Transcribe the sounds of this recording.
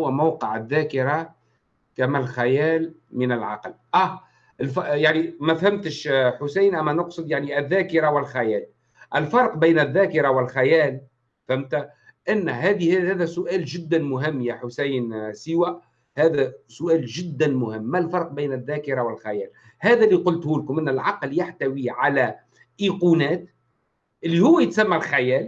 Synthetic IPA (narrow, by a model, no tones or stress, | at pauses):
wːæmawqəʕɪðːæːkɪɾa | kæmælxajæːlmɪnɪlʕɑ̰qlʔæ | ɪlfjaʕnimæfhɪmt̪əʃħʊsajnʔæmːænʊqsˤɨd̪jaʕniʔɪðːæːkɪɾawɪlxajæːl | ʔɪlfɑɾˤqbijnɪðːæːkɪɾawɪlxajæːl | fhɪmt̪æ | ʔɪnːɦæːðihhæːðæsʊʔæːlʒɪd̪ːænmʊɦɪmːjæħʊsæjnsɪwæ | hæːðæsʊʔæːlʒɪd̪ːænmʊhɪmːælfɑɾˤq̚biːnɪðːæːkɪɾawɪlxajæːl | hæːðæliqʊlt̪huːlkʊmʔɪnːælʕɑqljaħt̪æwiʕalæ | ʔiːquːnæːt̪ | ʔɪlːihʊwːæjɪt̪sæmːælxajæːl